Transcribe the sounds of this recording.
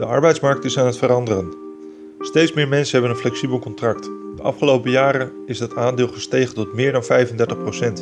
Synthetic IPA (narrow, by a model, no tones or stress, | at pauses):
d̥əʔɑ̰ɹbɛjtsmɑɹk̚tɪsaːnɦətfəɾɑndərən | stejtsmɪːɹmɛnsənɦɛbənənflɛksibəlˠkɔntrɑktdəʔɑ̰fχəlowpəjaːɾən | ɪzdɑtaːndɪːlˠχəstejχəntɔtmɪːɹdɑnvɛjfəndɛɹtəχprowsɛnt